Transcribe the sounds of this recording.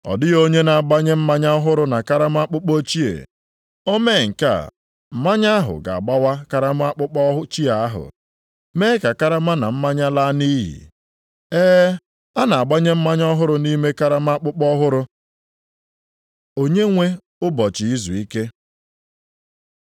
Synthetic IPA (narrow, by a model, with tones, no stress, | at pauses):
ɔ̰˨dɪ˦ɣo˦ɲe˦na˨a˨ɡ͡ba˦ɲe˦m̩˦ma˦ɲa˦ɔ˦ɦʊ˦ɾʊ˦na˨ka˦ɾa˦m˦a˦k͡pʊ˦k͡po˦t͡ʃi˦ḛ˨ | o˦me˦˨ŋ̩˨ka̰˦˨ | m̩˨ma˦ɲa˦a˦ɦʊ̰˨ɡa̰˨a̰˨ɡ͡ba˦wa˦ka˦ɾa˦m˦a˦k͡pʊ˦k͡pɔ˦ɦʊ˦t͡ʃi˦a˨a˦ɦʊ̰˨ | me˦ka˨ka˦ɾa˦ma˦na˨m̩˦ma˦ɲa˦la˦ni˦ɦḭ˨ | eː˦ | a˦na˨a˨ɡ͡ba˦ɲe˦m̩˦ma˦ɲɔ˦ɦʊ˦ɾʊ˨ni˦me˦ka˦ɾa˦m˦a˦k͡pʊ˦k͡pɔ˦ɦʊ˦ɾʊ˦ | o˦ɲe˦ŋʷe˦ | ʊ˦bɔ˨t͡ʃɪ˨i˦zu˨i˦ke˦